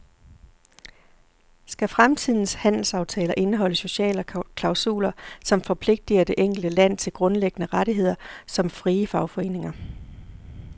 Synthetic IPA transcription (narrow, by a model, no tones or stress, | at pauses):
sɡ̥æfʁamt͡sʰið̞̰ˠn̩shæn̰l̩sɑ̈ʊt͡sʰɛːlɐʔe̝nəɦɒ̽l̰əso̝ɕɛ̰ːləkʰlɑ̈ʊsṵːlɐsɒ̽mfɒ̽pʰle̝ɡ̥̚d̥iɐd̥e̝ʔeŋ̰ɡ̥l̩d̥əlæn̰t͡sʰe̝lɡ̥ʁɔ̽nleɡ̥ənəʁɑɾiɦe̝ð̰ˠɐsɒ̽mfʁiːəfɑ̈ʊfɒ̽e̝̰ːne̝ŋɐ